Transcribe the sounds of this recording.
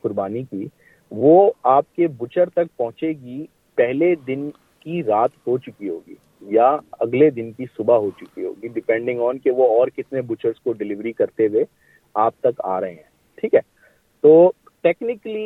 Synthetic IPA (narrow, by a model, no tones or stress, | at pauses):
kʊɾbaːniki | ʋoːaːp̚kebʊt͡ʃəɾt̪ɐk̚pɐɦʊ̃t͡ʃeɡi | pɛɦled̪ɪn | kiɾaːt̪ɦot͡ʃʊkiɦoːɡḭː | jaɐɡled̪ɪnkisʊbaɦot͡ʃʊkiɦo̰ːɡiɖɪpɛ̃ɳɖɪ̃ŋɡɔːnkeʋoɔːɾkɪt̪nebʊt͡ʃəɾskoɖɪlɪʋɾikɐɾt̪eʋe | aːp̚t̪ɐka̰ːɾɐɦẽɦɛ̃ː | ʈʰiːkɦɛː | t̪oː | ʈeːknɪkli